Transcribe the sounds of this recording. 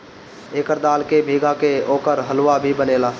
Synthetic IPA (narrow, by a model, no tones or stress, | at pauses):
eːkəɾd̪aːlkebʱiːɡakeoːkəɾɦəlʋabʱibəneːlaː